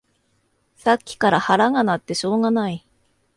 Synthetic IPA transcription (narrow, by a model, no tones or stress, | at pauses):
sakʲːi̥kaɾahaɾaɡanat̪ːe̞ɕo̞ːɡanai